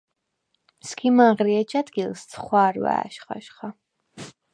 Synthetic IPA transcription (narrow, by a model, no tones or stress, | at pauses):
skʰimaʁɾiɛt͡ʃʰad̪ɡilˠssʰχwaːɾwa̰ːʃχa̰ʃχa